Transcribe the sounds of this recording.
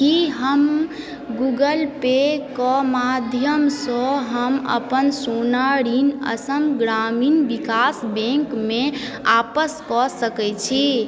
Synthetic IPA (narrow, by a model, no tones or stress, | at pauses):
kiɦəm | ɡuɡəlpekɔmad̪ʱjəmsə̃ɦəmə̰pənsunaɾinə̰səmɡɾaminbikasbẽŋkme | apəskɔsəkɛt͡ʃʰi